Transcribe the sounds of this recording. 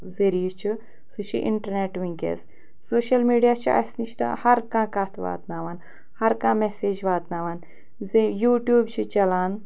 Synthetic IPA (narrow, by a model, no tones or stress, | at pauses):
zɐɾiːt͡ʃʰi | sɨt͡ʃʰḭʔḭɳʈɐɾneːʈʋĩŋkḛs | soːʃɐlmiːɖijaːt͡ʃʰiʔɐ̰sniʃt̪ɐ̰hɐɾkãːkaːt̪ʰʋa̰ːt̪naːʋaːn | hɐɾkãːmeseːd͡ʒʋaːt̪naːʋaːn | zejuːʈjuːbt͡ʃʰit͡ʃɐlaːn